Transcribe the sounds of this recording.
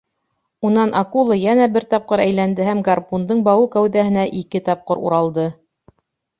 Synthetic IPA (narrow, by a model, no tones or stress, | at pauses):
unɑnʔɑkulˠɤjænæbɘɾt̪ɑp̚qɤɾæjlænd̪ɘhæmɡarpund̪ɤɴbɑwɤkæwðæhɘ̆næʔikɘt̪ɑp̚qɤɾṵɾɑlˠd̪ɤ